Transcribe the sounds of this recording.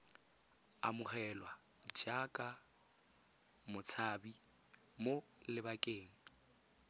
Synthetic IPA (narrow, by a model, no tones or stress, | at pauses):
a̰mʊχɛlwa | d͡ʒakʼa | mʊt͡sʰaːbi | molɪbakʼeːŋ̩